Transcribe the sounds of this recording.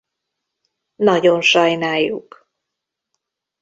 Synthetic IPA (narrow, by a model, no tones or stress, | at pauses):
nɒɟonʃɒjnaːjːuk